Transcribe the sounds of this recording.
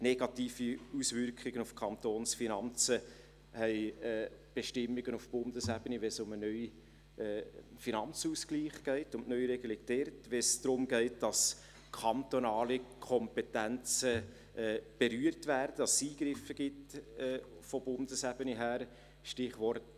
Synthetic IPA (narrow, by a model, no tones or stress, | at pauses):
nɛɡ̥ɑt̪iːfiusvʏɾkχɪɡənufkʰɑnt̪oːnsfinɑnt͡sə | hɛɪɛːb̥ɛʃtɪmːiɡ̥ənufb̥ʊndəsæb̥əniʋɛsʊmənœʏ | ɛːfinɑnt͡susɡ̥liːχɡ̥ɛɪtʊntnœʏɾeɡəlɪɡd̥ɛɾtʋɛsd̥ɾʊmɡɛɪt̚d̥ɑs | kʰɑnt̪onɑːlikʰɔmpɛtænt͡sə | ɛb̥eɾyːəɾtʋæːɾdədɑssiːɡ̥ɾɪfːəɡ̥ɪtː | fɔb̥ʊnd̥əsæbəniɦæːɾ | ʃtɪχʋɔɾt